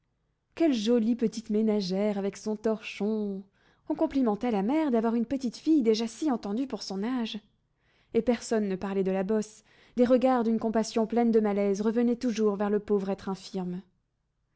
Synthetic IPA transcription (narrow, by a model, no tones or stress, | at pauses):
kʲɛlʒɔlipət̪it̪menaʒɛʁavɛksɔ̃t̪ɔʁʃɔ̃ | ɔ̃kɔ̃plimɑ̃t̪alamɛʁd̪avwaʁynpət̪it̪fijd̪eʒasiɑ̃t̪ɑ̃d̪ypuʁsɔ̃naʒ | epɛʁsɔnːəpaʁlɛd̪əlabɔs | d̪eʁəɡaʁd̪ynkɔ̃pasjɔ̃plɛnd̪əmalɛzʁəvənɛt̪uʒuʁvɛʁləpovʁɛt̪χɛ̃fiʁm